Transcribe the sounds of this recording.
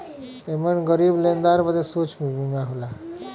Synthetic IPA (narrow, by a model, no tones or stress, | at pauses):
emənɡəɾiblẽnd̪aɾbəd̪esut͡ʃʰmiʋimãɦola